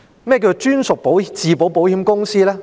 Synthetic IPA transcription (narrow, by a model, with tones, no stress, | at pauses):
mɛ˥˩k̬ʲiː˧˩t͡st͡ʃyː˥nsʊ˨k̚po˨˥wt͡siː˨po˨˥wpo˨˥whiː˨˥mkʊ˥ŋsiː˥lɛː˥